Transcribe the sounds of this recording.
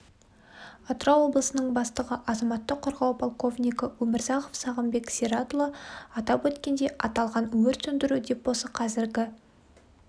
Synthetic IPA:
ot̪ɾɑwo̞blˠəsənəɴbɑst̪əʁəʔɑzɑmɑt̪ːəqʰːoɾʁɑwpʰolˠko̞vnʲijkəwɵmɪɾzɑqofsɑʁəmbe̞kseɾɑt̪lˠəɑt̪ɑpwɵt̪kʲe̞nd̪e̞ʔɑt̪ɑlˠʁɑnɵwɪɾt̪ʰɵnd̪ɪɾud̪e̞p̚bosəqʰɑzɪɾɡʲɪ

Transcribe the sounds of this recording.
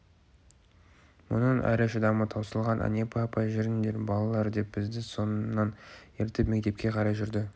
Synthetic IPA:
mʊ̰nəɴʔæ̰ɾɪʃəd̪ɑmət̪ʰɑwsəlˠʁɑnʔɑ̰nʲe̞pʰɑpɑʒɪɾɪnd̪eɾbɑlˠɑlˠɑɾd̪e̞p̚b̥ɪzd̪ɪso̞nnːɑneɾt̪ɪpme̞kt̪e̞p̚kʲe̞qʰɑɾɑjʒʏɾd̪ɪ

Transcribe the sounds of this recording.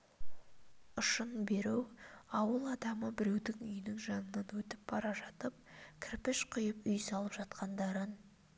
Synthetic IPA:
ʊʃənbe̞ɾewɑwəlˠɑd̪ɑməbɪɾe̞wd̪ɪŋʏjɪnɪŋʒɑnənɑnwɵt̪ɪp̚bɑɾɑʒɑt̪əp̚kʲʰɪɾpɪʃqʰʊjəpʏjsɑlˠəpʒ̥ɑt̪qʰɑnd̪ɑɾən

